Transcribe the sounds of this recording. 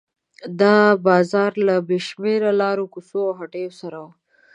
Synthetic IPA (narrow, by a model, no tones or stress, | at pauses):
d̪ɑbɑzɑɾlabeʃmeɾalɑɾokusoawɦaʈejosaɾaw